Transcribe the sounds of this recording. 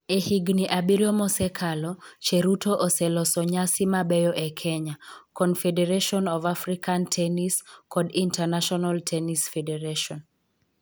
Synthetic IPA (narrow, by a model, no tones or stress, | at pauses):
ehiɡniʔabiɾjɔmɔsɛkʰalɔt͡ʃeɾutoʔosɛlɔsɔɲasimabɛjɔʔekʰɛɲakɔnfedeɾeʃɔnɔvafɾikantʰɛniskɔdintanaʃɔnaltʰɛnisfɛdeɾaʃɔn